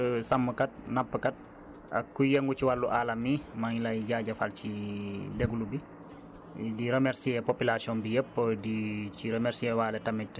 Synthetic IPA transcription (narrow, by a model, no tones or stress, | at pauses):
sɐmːəkɐt̚nɐpːəkɐt̚ | ɐ̰kːujɛŋɡuciwalːuʔaːlɐmimɐŋlɐjɟaːɟɐfalcidɛɡulubi | diɾemɛɾsiɛpopilasiɔnbijəpːədiciɾɛmɛɾsiɛwaːlɛtɐmɛt